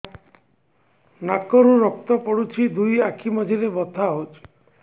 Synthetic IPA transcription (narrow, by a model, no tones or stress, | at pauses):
nakɔɾuɾɔk̚t̪ɔpɔɽut͡ʃʰid̪ujakʰimɔd͡ʒʱiɾebɔt̪ʰaɦot͡ʃʰi̥